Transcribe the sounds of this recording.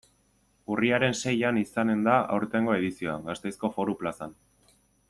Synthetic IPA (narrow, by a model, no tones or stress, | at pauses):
uriaɾe̞nse̞janisane̞nd̪aʔawɾt̪e̞ŋɡo̞e̞ðisio̞a̰ŋɡast̪e̞jsko̞foɾuplasan